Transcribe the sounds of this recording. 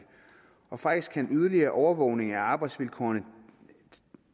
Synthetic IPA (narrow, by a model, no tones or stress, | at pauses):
ɒ̽fɑ̈ɡ̥isɡ̥ʰænyð̞ˠɐliɐːʔɒʊɐʋɔʊ̰ne̝ŋæɑ̈ːb̥ɑ̈ɪd̥sʋilkʰɒ̰ːɐnə